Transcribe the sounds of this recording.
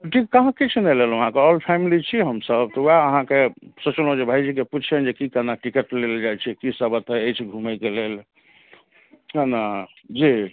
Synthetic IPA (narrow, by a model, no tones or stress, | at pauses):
ʈʰikːəɦãkit͡ʃʰnɛlelʋəɦãkeɔlpʰɛmilit͡ʃʰiɦəmsəb̚t̪ɔuaəɦãkesot͡ʃolod͡ʒebʱajd͡ʒikeput͡ʃʰɛnd͡ʒekikanaʈikəʈleld͡ʒajt͡ʃʰɛkisəbət̪ɦəəjt͡ʃʰɡʱumɛkelel | kana | d͡ʒi